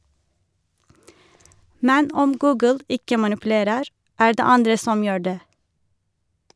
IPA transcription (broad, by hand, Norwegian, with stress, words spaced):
ˈmɛn ˈɔm ˈɡʉːɡəl ˈɪkə mɑnɪpʉˈleːɾəɾ ˈæː ˈɖeː ˈɑndɹə ˈsɔm ˈjøː ˈɖeː